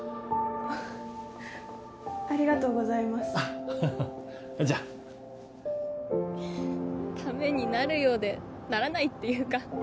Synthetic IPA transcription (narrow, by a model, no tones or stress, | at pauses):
aɾʲiɡat̪o̞ːɡo̞zaimasɨ̥a | d͡ʑa | t̪ʰame̞ɲ̟inaɾɯ̟jo̞ːd̪e̞ | naɾanait̪ːe̞jɯ̟ːka